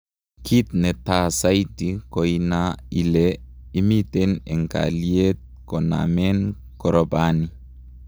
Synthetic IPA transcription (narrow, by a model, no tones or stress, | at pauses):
kʰit̪nɛt̪asajtikɔjnailɛ | imitɛnɛŋka̰liet̪̚kɔna̰mɛn | kɔɾɔbani